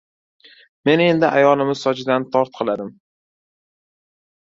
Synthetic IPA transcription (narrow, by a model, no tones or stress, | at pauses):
me̞ne̞nd̪ɪʔajɒlˠɪmɪz̥sɒd͡ʒɪd̪ant̪ʰɒɾt̪̚qʰɨlˠad̪ɪm